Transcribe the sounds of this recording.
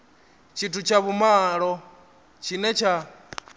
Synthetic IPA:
t͡ʃʰitʰut͡ʃʰaβumaɺɔ | t͡ʃʰinɛt͡ʃʰa

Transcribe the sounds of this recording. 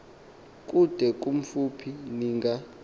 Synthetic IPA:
kʼud̥ʱɛk̬ʼum̩fupʰiniːŋɡa

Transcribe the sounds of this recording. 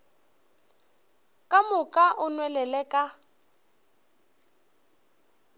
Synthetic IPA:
kʼamʊkʼaʔʊnwɛlɛlɛkʼa

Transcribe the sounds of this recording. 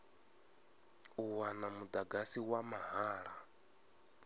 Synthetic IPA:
uwanamud̪aɡasiwamaɦaːɺa

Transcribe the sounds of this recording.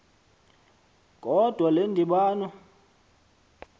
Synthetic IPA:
kʼɔd̥ʱwalendʱiɓaːnɔ

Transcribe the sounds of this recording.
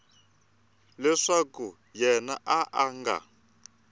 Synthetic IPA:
lɛʂaku | jɛnaʔaʔaŋɡa̰

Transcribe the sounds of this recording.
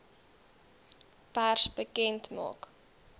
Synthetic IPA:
pærsbəkɛntmɑ̰ːk

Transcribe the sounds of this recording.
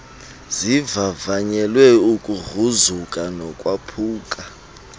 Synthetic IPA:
zivavaɲɛlwɛukʼuruzukʼanɔkʼwapʰuːkʼa

